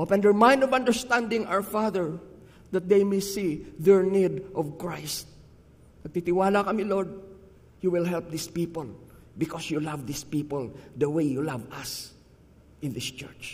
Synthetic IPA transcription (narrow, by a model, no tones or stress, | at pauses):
ʔopɛ̃nd̪ɛɹmãj̃nd̪ɔvɐ̃nd̪ɛɹst̪ãnd̪ɪ̃ŋa̰wfaðɛɹ | d̪ɐt̪̚d̪ejmejsiðɛɹnid̪ʔɔvkɹajst̪̚ | nɐɡ̚t̪it̪ɪwaːlakɐmiloɹd̪̚ | juwɪlɦɛlp̚d̪ispiːpol | bɪkɔsjulavd̪ispiːpɔld̪ɐwejjulavɐs | ʔɪ̃nd̪ɪst͡ʃɛ̰ɹt͡ʃ